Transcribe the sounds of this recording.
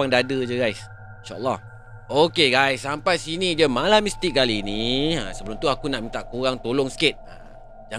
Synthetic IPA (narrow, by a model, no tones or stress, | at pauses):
aŋdadəd͡ʒəɡajs | inʃaʔə̰lːɑh | okeɡajsːampajsinid͡ʒəmãlahmist̪ik̚kaliːniasəbəlʊmt̪uakunaʔmĩnt̪aʔkoɣaŋt̪oloŋsə̥ket̪̚a | d͡ʒa